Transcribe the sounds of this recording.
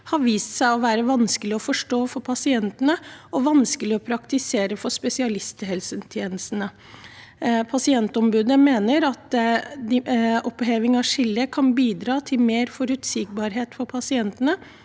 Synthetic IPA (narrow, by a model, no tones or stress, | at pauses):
hɑɾʋiːst̪sæɪɔʋæːɾəʋɑnskəlɪɔfɔʂʈoːfɔɾpʰɑsɪɛnt̪ənəɔʋɑnskəlɪɔpʰɾɑkt̪ɪseːɾəfɔʂpɛsɪɑlɪst̪ɪhɛlsənt̪ʰjeːnəst̪ənə | pʰɑsɪɛnt̪ɔmbʉːd̪əmeːnəɾɑt̪ | ʔɔpheːʋɪŋɑʂɪlːəkʰɑnbiːd̪ɾɑːt̪ʰɪlmeːɾfɔɾʉːt̪sɪk̚bɑːɾɦeːt̪fɔɾpʰɑsɪɛnt̪ənə